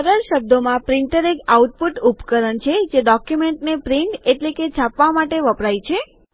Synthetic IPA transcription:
əɾəɾʃəb̚d̪ʱomãpɾɪɳʈəɾekauʈ̚puʈupkəɾəɳt͡ʃʰed͡ʒeɖɔkjumeɳʈnepɾiɳʈeʈleked͡ʒʰʱapʋamaʈeʋəpɽajt͡ʃʰe

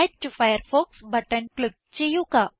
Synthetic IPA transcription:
jd̪̚ʈufajəɾfoksbəʈənklɪɡ̚t͡ɕejuka

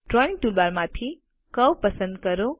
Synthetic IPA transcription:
ʈɾɔinʈulbaɾmãt̪ʰi | kəwpəsə̃nd̪kəɾo

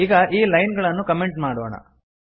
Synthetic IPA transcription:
iːɡɐʔiːlɐjnɡɐɭɐnːukɐmeɳʈmaːɽoːɳɐ̰

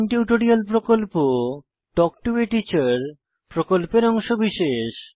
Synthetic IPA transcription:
nʈiuʈoɾialpɾokolpo | ʈɔk̚ʈueʈit͡ɕaɾ | pɾokolpeɾɔŋʃobiʃeʃ

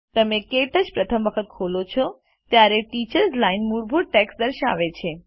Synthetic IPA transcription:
t̪əmekeʈəʃpɾət̪ʰəmʋəkʰət̪̚kʰolot͡ʃʰɔ | t̪jaɾeʈit͡ʃəɾslainmuɾbʱuʈeksd̪əɾʃa̰ʋet͡ʃʰe

